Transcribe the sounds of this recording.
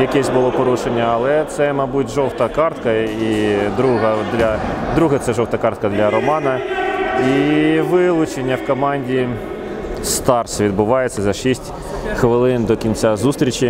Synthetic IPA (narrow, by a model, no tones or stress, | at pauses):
jɐkɛsʲbʊlˠɔpɔɾuʃenʲːɐɐlˠɛt̪sɛmɐbutʲʒɔwt̪ɐkɑrt̪kɐid̪ɾuɦɐd̪lʲɐd̪ɾuɦɛt̪sɛʒɔwt̪ɐkɑrt̪̚kɐd̪lʲɐɾɔmɑnɐ | iʋɪlˠʊt͡ʃenʲːɐwkɔmɑnʲdʲi | st̪ɑrsʋʲid̪̚bʊʋɑjet͡sʲːɐzɐʃisʲtʲ | xʋɪlˠɪnd̪ɔkʲint͡sʲazust̪ɾʲit͡ʃʲi